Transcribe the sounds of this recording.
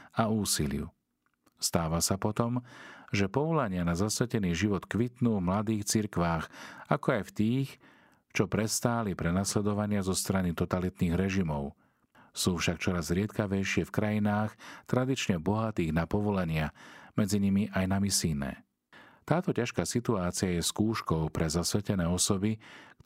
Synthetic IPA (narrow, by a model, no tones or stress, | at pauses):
auːsilɪ̰ṵ | st̪aːʋasapɔt̪ɔmʒɛpɔʋɔlaɲɪanazasʋɛcɛniːʒiʋɔt̪kʋit̪nuːvmlad̪iːxt͡siɾkʋaːxakɔajft̪iːx | t͡ʃɔpɾɛst̪aːlipɾɛnaslɛd̪ɔʋaɲɪazɔst̪ɾanit̪ɔt̪alit̪niːɣɾɛʒimɔʊ | suːfʃakt͡ʃɔɾazɾɪɛt̪kaʋɛjʃɪɛfkɾajinaːxt̪ɾad̪it͡ʃɲɛbɔɦat̪iːɣnapɔʋɔlaɲɪamɛd͡ziɲimiʔajnamisiːnɛ̰ | t̪aːt̪ɔcaʃkaːsit̪uaːt͡siajɛskuːʃkɔʊpɾɛzasʋɛcɛnɛːɔsɔbik